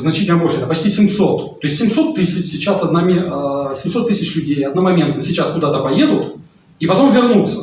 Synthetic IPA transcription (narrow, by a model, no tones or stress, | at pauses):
znɐt͡ɕitʲɪlʲnəboʂəɛt̪əpɐt͡ɕʲtʲisʲɪmso̞t̪t̪o̞ɪsʲtʲːɪmso̞t̪ːɨsʲɪt͡ɕsʲɪt͡ɕasɐd̪namʲsʲɪmso̞t̪ːɨsʲɪt͡ɕlʲʉdʲejɐd̪namɐmʲent̪nəsʲɪt͡ɕaskʊd̪at̪əpɐje̞d̪ʊt̪ | ipɐt̪o̞mvʲɪrnut̪sə